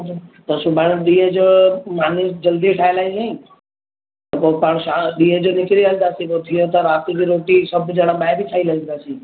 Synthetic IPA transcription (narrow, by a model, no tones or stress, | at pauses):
t̪ɐsʊbʱaɽɗĩːə̃d͡ʒomaːniːsd͡ʒɐld̪iʈʰaːelaːisĩː | t̪ɐpopaɳ̃ʃaɗĩːɦə̃d͡ʒonɪkɾiald̪aːsikot̪ʰijot̪ɐɾaːt̪ikiɾoːʈisəbd͡ʒəɽ̃ãɓaːebʱit͡ʃʰaːiləɡd̪aːsiː